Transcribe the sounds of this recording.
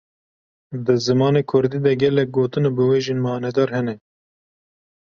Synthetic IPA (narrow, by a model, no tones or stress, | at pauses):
d̪ɨzɨmɑːneːkʰʊɾd̪iːd̪ɐɡɛlɛk̚ɡoːt̪ɨnɛbɨweːʒenmɑːnɛd̪ɑːɾhɛnɛ